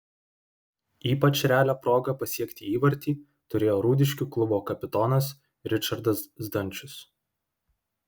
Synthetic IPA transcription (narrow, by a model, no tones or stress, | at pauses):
iːpɐt͡ʃʲɾʲæːlʲoːpɾoːɡɐpɐsʲiɛkʲt̪ʲiiːʋɐɾʲt̪ʲiː | t̪ʊɾʲeːjoːɾuːd̪ʲɪʃʲkʲuklˠʊboːkɐpʲɪt̪oːnɐs | ɾʲɪt͡ʃɐɾd̪ɐsd̪ɐnʲt͡ʃʲʊs